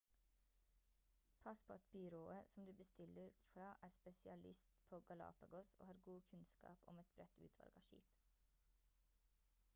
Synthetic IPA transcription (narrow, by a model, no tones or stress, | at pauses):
pʰɑspʰoːɑt̪̚bʏɾoːəsɔmd̪ʉːbəst̪ɪləɾfɾɑːʔæːɾspɛsɪɑlɪst̪pʰoːɡɑlɑ̰ːpəɡɔso̰ːhɑːɾɡuːkʰʉnskɑ̰ːpɔ̰mɛt̪̚bɾɛt̪ʉ̰ːt̪ʰʋɑ̰lɡɑʃḭːp